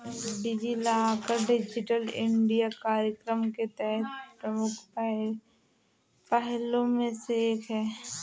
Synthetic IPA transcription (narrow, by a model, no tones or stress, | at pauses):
ɖɪd͡ʒilaaːkəɾɖɪd͡ʒɪʈəlɪ̃ɳɖijakaːɾjəkɾəmket̪ɛɦɛt̪̚pɾəmʊkʰp | pɛɦlõmẽseeːkɦɛː